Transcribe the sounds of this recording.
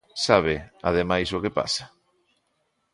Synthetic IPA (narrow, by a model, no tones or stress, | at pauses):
saβ̞ɪa̰ðemajsokepa̰sḁ